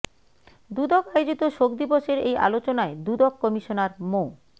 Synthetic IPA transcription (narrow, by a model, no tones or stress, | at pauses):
d̪ud̪ɔkajod͡ʑit̪oʃok̚d̪iboʃeɾeja̰lot͡ɕonaed̪ud̪ɔkːɔmiʃonaɾmo